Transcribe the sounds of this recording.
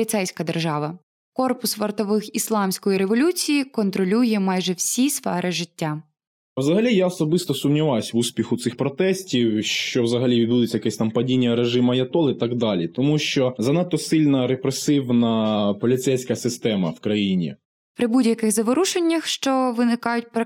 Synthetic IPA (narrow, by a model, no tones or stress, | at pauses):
lʲit̪sɛjsʲkɐd̪erʒɑʋɐ | kɔrpʊsʋɐrt̪ɔʋɪxislˠɑmsʲkɔjiɾeʋɔlʲut͡sʲijikɔnt̪ɾɔlʲujɛmɑjʒɛwsʲisfɛɾʔɪʒɪtʲːa | wzɐɦɐlʲijaɔsɔbɪst̪ɔsʊmnʲiʋɑjsʲʋusʲpʲixʊt̪sɪxpɾɔt̪ɛsʲtʲiwʃt͡ʃɔwzɐɦɐlʲiʋʲid̪̚bud̪ɪt͡sʲːɐjɛkɛsʲt̪ɑmpɐdʲinʲːɐɾeʒɪmɐjɐt̪ɔlˠɪt̪ɑɡd̪ɑlʲit̪ɔmuʃt͡ʃɔzɐnɑt̪ːɔsɪlʲnɐɾepɾesɪwnɐpɔlʲit̪sɛjsʲkɐsɪst̪ɛmɐ̰wkɾɐjinʲḭ | pɾɪbudʲjɐkɪxzɐʋɔɾuʃenʲːɐxʃt͡ʃɔʋɪnɪkɑjʊt̚ʲp